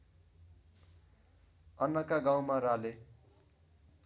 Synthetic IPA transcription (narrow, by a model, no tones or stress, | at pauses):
ʌnːʌkaɡãw̃maɾale